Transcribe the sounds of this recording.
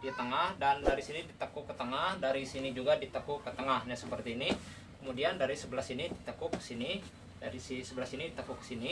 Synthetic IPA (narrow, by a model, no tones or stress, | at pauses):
dit̪əŋahdandaɾisinidit̪əkukːət̪əŋahdaɾisinid͡ʒuɡadit̪əkukːət̪əŋahɲasəpərt̪iːni | kəmudiandaɾisəbəlasinidit̪əkʊkːə̥sini | daɾisisəbəlasinidit̪əkukːə̥sini